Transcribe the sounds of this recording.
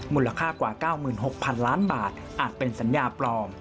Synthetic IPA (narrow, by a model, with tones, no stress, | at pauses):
muː˧˩la˧kʰaː˥˩kwaː˨˩kaː˥˩wmɯː˨˩nɦo˨˩k̚pʰa˧nlaː˦˥nbaː˨˩t̪̚ | ʔaː˨˩t̪̚pe˧nsa˩˦njaː˧plɔː˧m